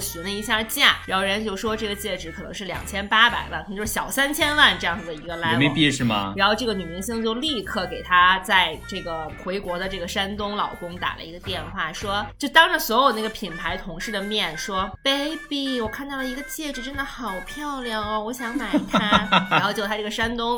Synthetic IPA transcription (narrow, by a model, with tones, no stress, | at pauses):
ɕi˧˥ŋlə˧i˧˥ɕja˥˧t͡ɕja˥˩ɻa˧˥xo˥˧ɻɛ˥t͡ɕjo˥˩ʊʂwɔ˥ʈ͡ʂɤ˥˩ɡə˩t͡ɕjɛ˥˩ʈ͡ʂɻ̩˧˥kʰɤ˨˩nɤ˧˥ŋʂɻ̩˥˩ljɑ̰˨˩ŋt͡ɕʰjɛ˥npa˥pa̰˨˩ɪwa̰˥˩nk̪ʰjo˧˥ʂ̩˥˩ɕjɑ˨˩ʊsa˥nt͡ɕʰjɛ˥nwa˥˧nʈ͡ʂɤ˥˧jɑ˥˩ŋd͡z̩˩d̪ə˩i˧˥ɡə˧la˨˧˥ɪme˥˧pi˥˧ʂɻ̩˥˩mɐ̰˩a˧˥nxo˥˧ʊʈ͡ʂɤ˥˩ɡə˩ny˨˩mi˧˥ŋɕi˥˧ŋt͡ɕjo˥˧ʊli˥˧kʰɤ˥˩ke˨˩ɪt̪ʰa˥t͡sa˥˧ɪʈ͡ʂɤ˥˩ɡə˩xwe˧˥ɪkwɔ˧˥d̪ə˧ʈ͡ʂɤ˥˩ɡə˩ʂa˥nt̪ʊ˥ŋlɑ̰˨˩ʊkʊ˥ŋt̪a̰˨˩lə̰˦i˧˥ɡə˧t̪jɛ˥˧nxwa˥˩ʂwɔ˥t͡ɕt͡ɕo˥˩ʊt̪ɑ˥ŋʈ͡ʂə˨˧swɔ˧˥jd̪ə˦n˥˧˩ə˩pʰi˨˩npʰa˧˥ɪt̪ʰʊ˧˥ŋʂɻ̩˥˩d̪ə˩mjɛ˥˩nʂwɔ˥pe˥ɪpi˥˩wɔ˨˩kʰa˥˧nt̪ɑ˥˩ʊlə˩i˧˥ɡə˧t͡ɕjɛ˥˩ʈ͡ʂɻ̩˨˩ʈ͡ʂə˥nd̪ə˨˩xɑ˨˩ʊpʰjɑ˥˧ʊljɑ˥˩ŋɐ˧wɔ˧˥ɕjɑ˧˥ŋma˨˩ɪ˧t̪ʰa˥aa˧˥nxo˥˧t͡ɕjt̪ʰa˥ʈ͡ʂɤ˥˩ɡə˩ʂa˥nt̪ʊ˥ŋ